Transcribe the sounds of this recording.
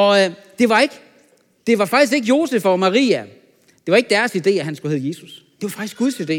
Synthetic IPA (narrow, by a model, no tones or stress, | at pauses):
ɒ̽d̥e̝ʋɑ̈e̝ɡ̥ə | d̥e̝ʋɑ̈fɑ̈ɡ̥isɡ̥e̝ɡ̥əjo̝ːsefɒmɑ̈ʁḭːæ | d̥e̝ʋɑ̈eɡ̥d̥æɐsid̥e̝̰ːæɦænsɡ̥uhe̝ð̩ˠje̝ːsusd̥e̝ʋɑ̈fɑ̈ɡ̥isɡ̥uð̞ˠsid̥e̝̰ː